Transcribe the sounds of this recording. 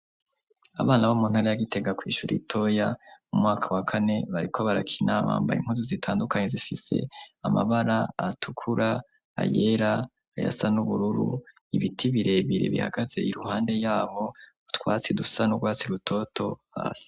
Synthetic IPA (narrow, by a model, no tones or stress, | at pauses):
a̰βaːnaβomuːn̥haɾajaɡite̞ɡakwiːʃuɾḭtʰo̞jamumŋaːkʰawakʰane̞βaɾikʰo̞βaɾa̰kʰinaβa̰ːmba̰jḭŋ̥huzuzitʰaːndukʰaɲe̞zifise̞̰ama̰βaɾaatʰukʰuɾa | a̰jeɾaː | ja̰sanuβuɾuɾṵ | iβitʰiβiɾe̞βiɾḛβḭha̰ɡ̥az̥e̞ʔiɾuhaːnde̞jaːβo | utwaːt͡sidusanuɡwaːt͡siɾutʰo̞tʰo̞ha̰ːsi̥